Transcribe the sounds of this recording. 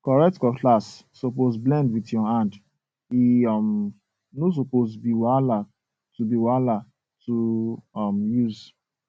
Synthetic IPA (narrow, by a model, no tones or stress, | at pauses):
kɔɹɛk̚tkɔkʰlasː | opozblɛ̃ndwitjɔhãnd | iɔm | nos̬opozbiwala | tubiwala | tuɔmjuz